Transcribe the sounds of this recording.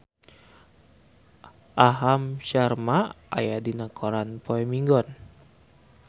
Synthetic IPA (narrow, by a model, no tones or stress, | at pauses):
ʔaɦamʃarma | a̰jadinakʰɔɾanpɔɛmiŋɡɔn